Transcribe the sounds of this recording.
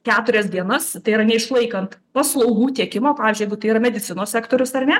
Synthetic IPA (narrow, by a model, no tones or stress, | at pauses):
kʲæːt̪ʊɾʲɛsd̪ʲiɛnɐst̪ɐɪiɾɐnʲɛɪʃlˠɐɪkɐnt̪pɐslˠɐʊɡuːt̪ʲiɛkʲɪmoːpɑːʋʲɪzʲd͡ʒʲʊjɛɪɡʊt̪ɐɪiːɾɐmʲɛd̪ʲɪt͡s̪ʲɪnoːsʲæːkt̪oːɾʲʊsɐrnʲɛ